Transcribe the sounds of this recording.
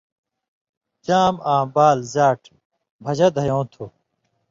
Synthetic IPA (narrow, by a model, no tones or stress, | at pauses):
t͡ɕaːmaːmbaːlzaːʈʰ | bʱɐd͡ʑɐd̪ʱɐjõːt̪ʰu